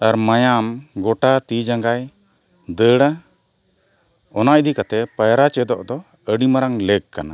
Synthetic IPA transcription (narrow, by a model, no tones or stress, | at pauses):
aɾmajamɡɔʈat̪id͡ʒaŋɡaj | d̪əɽa | ɔnaʔd̪ikat̪ɛpajɾat͡ʃɛd̪ɔʔd̪ɔ | əɖimaɾaŋləɡ̚kana